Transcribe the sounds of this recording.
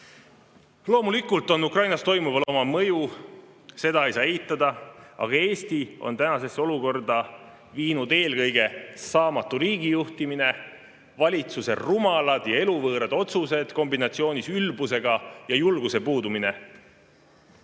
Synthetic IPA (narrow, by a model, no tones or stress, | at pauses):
lo̞ːmulikˑult̪ːˑo̞nːukrɑjnɑst̪o̞jmuvɑlo̞mɑmɤ̞ju | se̞d̪ɑjsɑːeɦit̪ːˑɑd̪ɑɑ̰ɡ̥ɑe̞ːst̪io̞̰nt̪ænɑse̞sːeo̞luko̞rd̪̥ɑ | viːnud̪e̞ːlkɤ̞jɡ̥e̞sɑːmɑt̪ːˑuɾiːɡijuht̪imine̞ | vɑlʲit̪suse̞̰rumɑlɑd̪̥jɑe̞luvɤːɾɑd̪̥o̞t̪suse̞d̪̥ko̞mbinɑt̪sio̞ːnisylbuse̞ɡ̥ɑjɑjulɡ̥use̞puːd̪umine̞̰